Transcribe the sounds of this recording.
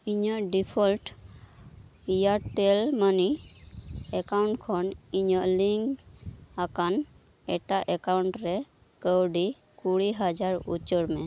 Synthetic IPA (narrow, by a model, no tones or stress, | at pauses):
iɲɔʔɖipʰɔlʈ | ijaɾt̪ɛlmani | ɛkawɳʈkʰɔniɲɔʔliŋɡakan | ɛʈaʔɛkawɳʈɾɛ | kəwɖi | kuɽiɦad͡ʒaɾṵt͡ʃəɽmɛ